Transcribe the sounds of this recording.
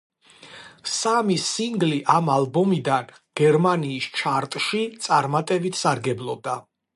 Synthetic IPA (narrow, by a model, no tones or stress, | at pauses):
samisiŋɡliʔamalˠbɔmid̪an | ɡ̥ɛɾmaniːst͡ʃʰaɾt̪ʼʃit̪sʼaɾmat̪ʼɛbit̪ʰsaɾɡɛblˠɔb̚d̪a